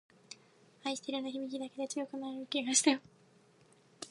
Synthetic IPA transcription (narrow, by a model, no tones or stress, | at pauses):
haiɕi̥t̪eɾɯnoçibʲikʲid̪ake̞d̪e̞t͡sɨjo̞kɯ̟naɾɯ̟kʲeɡaɕi̥t̪ajo